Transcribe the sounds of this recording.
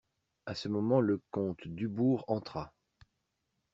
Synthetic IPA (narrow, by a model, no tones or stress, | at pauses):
asəmɔmɑ̃ləkɔ̃t̪d̪ybuʁɑ̃t̪χa